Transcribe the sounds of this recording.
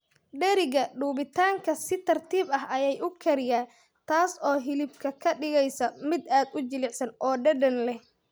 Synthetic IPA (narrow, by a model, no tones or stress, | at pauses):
ɖɛɾɪɣɐɖuːbɪt̪ʰaːŋkʰɐsɪt̪ʰɐrt̪ʰiːbɐɦɐjɛjʊkʰɛɾɪjaːn | t̪ʰaːsɔːɦɪlɪbkʰɐkʰɐɖɪɣɛjsɐmɪd̪aːd̪ʊt͡ʃɪlɪʕsɐnʔɔːɖɐɖɐnlɛh